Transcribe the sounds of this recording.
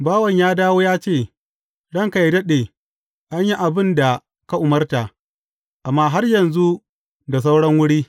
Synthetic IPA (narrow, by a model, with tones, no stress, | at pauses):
baː˦wɐ˨ɲjaː˦daː˦woː˦jaː˦t͡ʃeː˦˨ | ɽɐ˦ŋka˨jdɐ˦ɗeː˨ | ʔa˦ɲji˦ʔa˨bɪ˦nda˨ | ka˦ʔʊ˨mɐ˦rta˨ | ʔa˨mːaː˦ɦa˦rjɐ˨nzu˦ | da˨s̬a˦wɽɐ˦ŋwʊ˦ɽiː˦